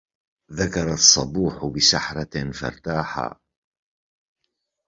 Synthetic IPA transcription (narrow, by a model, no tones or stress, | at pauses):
ðakɑɾˤɑsˤːɑbuːħʊbɪsaħɾˤɑnfɑ̰ɾˤt̪aːħa̰